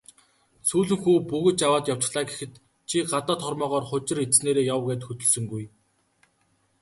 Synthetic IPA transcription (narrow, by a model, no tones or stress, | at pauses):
suːɮɵ̆ŋxuːpuɣɵ̆tt͡ɕawaːt̪jaw̥t͡ɕ̆ɮaːɡexɘ̆t̪ | t͡ɕʰiɢat̪ɔːt̪χɔrmɔːʁɔːrχʊt͡ɕɪ̆ret͡sneːɾeːjawɡeːt̪xɵt̪ɵ̆ɮsɵ̆ŋɡuj